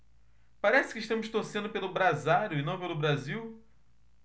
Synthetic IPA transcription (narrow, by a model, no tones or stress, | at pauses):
paɾɛsɪ̥kɪʃt̪ɐ̃mʊst̪oɾsẽnd̪ʊpelʊbɾazaɾjʊɪnɐ̃w̃pelʊbɾaziw